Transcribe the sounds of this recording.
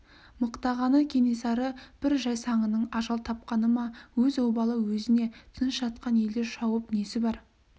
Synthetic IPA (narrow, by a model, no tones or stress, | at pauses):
məqt̪ɑʁɑnəkʲʰe̞ne̞sɑɾəb̥ɪɾʒɑjsɑɴənəɴɑʒɑlˠt̪ʰɑp̚qɑnəmɑwɵzowbɑlˠəwɵzɪne̞t̪ʰənəʃʒɑt̪̚qɑnje̞ld̪eɾʃɑwəpne̞sɪbɑɾ